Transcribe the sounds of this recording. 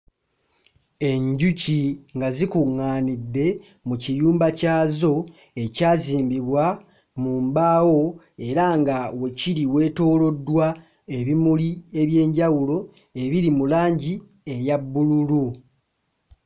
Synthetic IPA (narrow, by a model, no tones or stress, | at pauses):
e̞ɲɟuciŋɡazikuŋːaːnidːe̞ | mucijuːmbacaːzo̞ | e̞caːziːmbiβwa | muːmbaːwo̞ | e̞ɾaŋɡawe̞ciɾiwe̞ːto̞ːlo̞dːwa | e̞βimulie̞βje̞ːɲɟawulo̞ | e̞βiɾimulaːɲɟi | e̞jabːululu